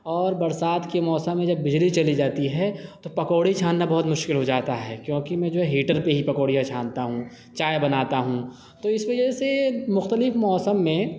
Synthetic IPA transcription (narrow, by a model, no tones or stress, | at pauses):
ɔːɾbɐɾsaːt̪kemɔːsəmːẽd͡ʒɐbːɪd͡ʒlit͡ʃɐlid͡ʒaːt̪iɦɛt̪opɐkoːɽit͡ʃʰaːnːabɐɦʊt̪mʊʃkɪlɦod͡ʒaːt̪aɦɛ̰ːkjõːkimɛ̃d͡ʒoːɦɛɦiːʈəɾpeɦipɐkoːɽijãt͡ʃʰaːnt̪aɦũ | t͡ʃaːjbɐnaːt̪aɦũ | t̪oɪsʋɐd͡ʒɛsemʊxt̪əlɪfmɔːsəmːẽ